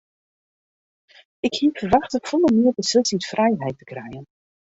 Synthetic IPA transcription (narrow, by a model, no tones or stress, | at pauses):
ɪkhiəfərʋaxtəfolˠəmɪərbəsɵlˠsitfrʔɛjɦɛjtə̥krɛjən